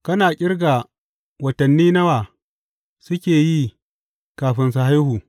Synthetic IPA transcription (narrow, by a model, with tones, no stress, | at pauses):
kɐ˦naː˨kʲʼɪ˦rɡa˨ | wɐ˨tɐ˨nːiː˦nɐ˦waː˨ | sʊ˦kʲeː˨ji˦ | kaː˨ɸɪ˦ns̬a˨ha˦jhuː˨